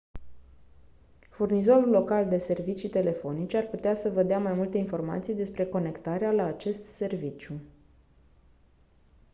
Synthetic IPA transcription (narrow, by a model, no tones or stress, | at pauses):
furnizo̞ɾulːo̞kald̪e̞se̞rvit͡ʃit̪e̞le̞fo̞nit͡ʃearput̪easəvəd̪eamajmult̪einfo̞rma̰t̪sijd̪e̞spɾe̞ko̞ne̞kt̪aɾealaːt͡ʃe̞st̪se̞rvit͡ʃju